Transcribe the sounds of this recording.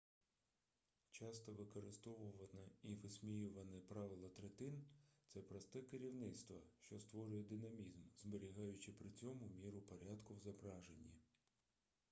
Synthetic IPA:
t͡ʃɑst̪ɔʋɪkɔɾɪst̪ɔʋʊʋɐnɪiʋɪsʲmʲijuʋɐnɪpɾɑʋɪlˠɐt̪ɾet̪ɪnt̪sɛpɾɔst̪ɛkɪɾʲiwnɪt̪st̪ʋɐʃt͡ʃɔst̪ʋɔɾʊjɛd̪ɪnɐmʲizmzbeɾʲiɦɑjʊt͡ʃɪpɾɪt͡sʲɔmʊmʲiɾʊpɔɾʲɑd̪kʊwzɐbɾɑʒenʲːi

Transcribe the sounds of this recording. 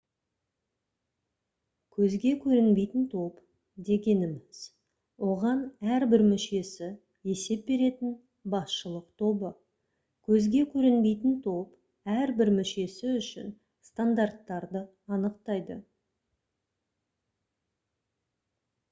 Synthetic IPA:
kʲʰɵzɡʲe̞kʲʰɵɾɪnbe̞jt̪ɪnt̪ʰo̞p | d̪e̞ɡʲe̞nɪmɪz̥ | wo̞ʁɑnæɾbɪɾmʏʃe̞sɪ | je̞se̞p̚be̞ɾe̞t̪ɪn | bɑsʃəlˠəqt̪ʰo̞bə | kʲʰɵzɡʲe̞kʲʰɵɾɪnbe̞jt̪ɪnt̪ʰo̞p | æɾbɪɾmʏʃe̞sɪʏʃɪ̰n | st̪and̪art̪ːɑɾd̪ə | ɑnəqt̪ɑjd̪ə

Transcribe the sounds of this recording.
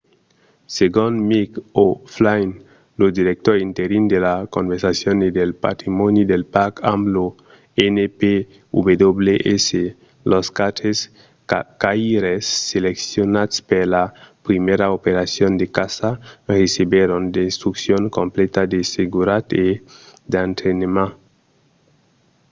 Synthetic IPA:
seɡonmikoflajn | lod̪iɾek̚t̪oɾint̪eɾind̪elakombeɾsasjonid̪elpa̰t̪ɾimonid̪elpakamblo | enepe | ubed̪obleʔese | loskat̪es | kaiɾesːeleksjonaspeɾlapɾimeɾaopeɾasjond̪ekasaresiβjeɾond̪est̪ɾuksjoŋkomplet̪ad̪eseɡuɾat̪ed̪ant̪ɾenema

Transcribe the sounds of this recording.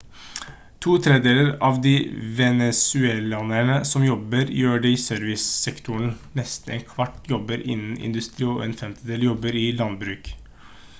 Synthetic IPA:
t̪ʰuːt̪ʰɾeːd̪eːləɾɑːʋd̪iːʋɛnɛsʉɛlɑnæɳəsɔmjɔbəɾjjøːɖɛɪsøːɾʋɪssɛkt̪ʊɳnɛst̪nḛːnkʰʋɑʈjɔbəɾɪ̰nn̩ɪ̰nd̪ʉst̪ɾiːɔ̰ɛːnfɛmt̪əd̪eːljɔbəɾɪlɑnbɾʉːk

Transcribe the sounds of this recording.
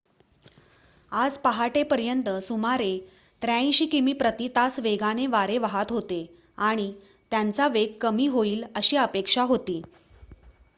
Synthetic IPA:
ad͡zpaɦaʈepəɾjənt̪əsumaɾe | t̪ɾjãɕiːkimiːpɾət̪it̪asʋeɡaneʋaɾeʋaɦat̪ɦot̪e | aɽ̃i | t̪jant͡saʋeɡ̚kəmiːɦoiːləɕiːəpekʂaɦot̪iː

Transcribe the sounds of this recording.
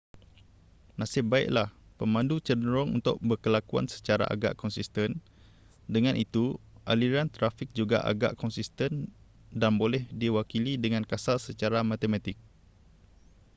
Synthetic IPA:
nãsɪp̚baɪ̰ʔlahpəmãndut͡ʃənɾɔŋṵnt̪ʊ̰ʔ̚bərkəlakua̰nsə̥t͡ʃaɾa̰ʔa̰ɡa̰ʔkɔnsist̪ən | dəŋãnʔit̪uʔaliɾant̪ɾafik̚d͡ʒuɡa̰ʔa̰ɡa̰ʔkɔnsist̪ən | danbolɛhdiwakilidəŋãnkasalsət͡ʃaɾamãt̪emãt̪ɪk̚

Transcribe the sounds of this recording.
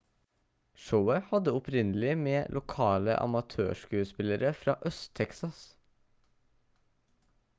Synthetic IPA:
ʃoʊəhɑd̪əʊpʰɾɪnəl̩ɪmeːlʔʊkʰɑːlə̰ʔɑ̰mɑt̪ʰø̰ːʃkʉːəspɪləɾəfɾɑ̰ːʔœst̪ʰɛksɑs

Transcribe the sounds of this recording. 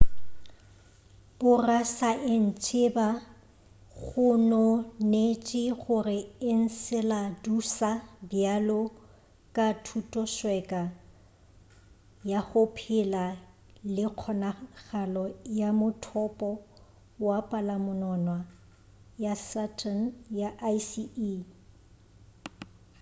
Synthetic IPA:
b̥ʊrasaʔɪn̩t͡ʃʼɪba | ɣʊnɔnet͡ʃʼɪχʊrɪɪn̩sɪladusabjalɔ | kʼatʰutʼɔʃwɛkʼa | jaɣʊpʰɪla | lɪq͡χʰɔnaɣalɔjamʊtʰɔpʼɔ | wapʼalamʊnɔnwa | jasatʰʼanjaʔajsii

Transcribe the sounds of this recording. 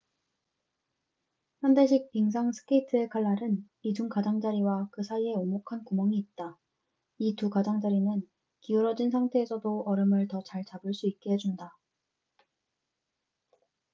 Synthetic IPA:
hjandeɕʰik̚piŋsʰaŋsʰɯ̥kʰeitʰɯekʰaɭːaɾɯn | id͡ʑuŋkad͡ʑaŋd͡ʑaɾiwakɯsʰaie̞oŋmokʰankumʌŋiːt̚t͈a | itukad͡ʑaŋd͡ʑaɾinɯn | kiuɾʌd͡ʑinsʰaŋtʰe̞ːsʰʌdoʌɾɯmɯɭtʌt͡ɕaɭt͡ɕabɯɭs͈uik̚k͈e̞ɦed͡ʑunda

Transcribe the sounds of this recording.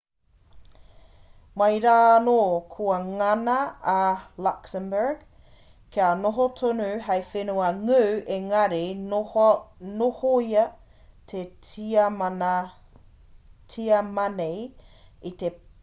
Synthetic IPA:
mɐjɾaːnoːkʰuɐŋɐnɐː | laksəmbəɹɡ | kʰeanoɦot̪ʰonuɦɐjfenuɐŋʉːʔeŋɐɾe | nohoiɐ | t̪ʰet | tʰiɐmɐnejit̪e

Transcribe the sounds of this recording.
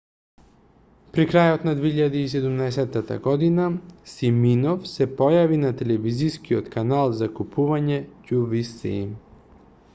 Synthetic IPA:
pɾikɾajot̪nad̪veiʎad̪iːsɛd̪umnaɛsɛt̪ːat̪a̰ɡɔd̪inasiminɔfsɛpɔjavinat̪ɛlɛviziskiɔt̪kanalˠzakupuvaɲɛcuvisḭ

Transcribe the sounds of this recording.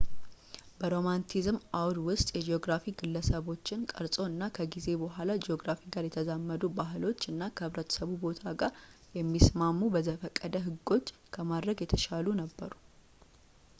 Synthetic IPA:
bəɾo̞mant̪ʰizmʔawɾwʊst̪ʼjɛd͡ʒeo̞ɡɾafiɡɨlːəsəβo̞t͡ʃːɪnkʼəɾsʼo̞ɨnːakʰəɡize̞bəɦʷalad͡ʒeo̞ɡɾafiɡaɾjɛt̪ʰəzamːəd̪ubaɦɨlo̞t͡ʃːɨnːakʰəhɨβɾət̪ʰə̥səβubo̞t̪ʰaɡaɾ | jɛmːismamːubəzəfəkʼːəd̪əɦɨɡːo̞t͡ʃːkʰəmad̪ɾəɡjɛt̪ʰəʃalunəbːə̰ɾu

